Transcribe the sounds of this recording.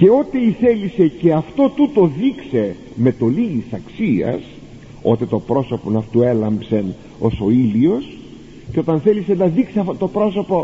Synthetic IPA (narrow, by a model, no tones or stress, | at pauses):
ce̞o̞t̪eiθe̞lise̞ce̞ɐft̪o̞t̪ut̪o̞ðikse̞ | me̞t̪o̞liɣisɐksiɐ̰s | o̞t̪et̪o̞pɾo̞so̞po̞nɐft̪ue̞lɐmbsen | o̞so̞ilios | ceot̪ɐnθe̞lisenɐðikseɐfot̪o̞pɾo̞so̞po̞